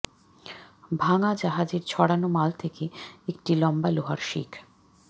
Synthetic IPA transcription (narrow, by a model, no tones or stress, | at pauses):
bʱaŋad͡ʑaɦad͡ʑeɾt͡ɕʰɔɽanomalt̪ʰekeekʈilɔmbaloɦaɾʃḭkʰ